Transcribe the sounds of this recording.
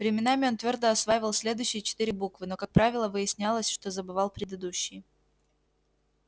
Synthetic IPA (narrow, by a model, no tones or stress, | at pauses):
vɾʲɪmʲɪnamʲɪo̞nt̪vʲo̞rd̪əɐsvajɪvəlˠsʲlʲe̞d̪ʊjɕːɪjət͡ɕɪ̥t̪iɾʲɪbukvɨno̞kak̚pɾavʲɪlˠəvɨjɪsʲnʲalˠəsʲʂt̪o̞zəbɨvalˠpɾʲɪd̪ɨd̪uɕːɪj